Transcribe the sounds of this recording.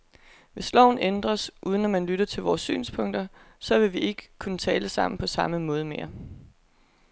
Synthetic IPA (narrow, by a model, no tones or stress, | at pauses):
ʋe̝slɒʊn̩end̥ʁɐsʔuːðˠənɒmænlyɾ̥ɐt͡sʰe̝lʋɒːsːy̰ːnspʰɔ̽ŋ̰d̥ɐ | sɒ̽ʋe̝ʋie̝ɡ̥ə̥kʰunət͡sʰɛːləsɑ̈m̰n̩pʰɒ̽sɑ̈məmɔ̽ːð̞ˠme̝ːɐ